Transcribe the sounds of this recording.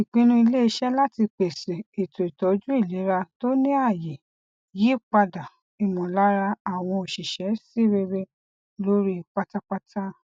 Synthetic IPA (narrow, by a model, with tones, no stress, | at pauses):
i˨k͡pĩ˧nũ˧i˧le˦i˧˦ʃɛ˦la˦ti˧k͡pe˨se˨e˨to˨i˨tɔ˨˦d͡ʒu˦i˦˨le˨˦ɾa˧to˦nĩ˦a˦˨je˨ | ji˨˦k͡pa˧da˨ | i˨mɔ̃˨la˨˦ɾa˧a˨w̃ɔ̃˧o˨ʃi˨ʃɛ˨˦si˦ɾe˧ɾe˧ | lo˦ɾi˦k͡pa˦ta˦k͡pa˧tʰa˦